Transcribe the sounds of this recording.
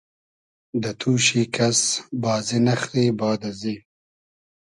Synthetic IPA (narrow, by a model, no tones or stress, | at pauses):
d̪ət̪ʰuːʃikasbɑːzinɐxɾiːbɑːd̪azi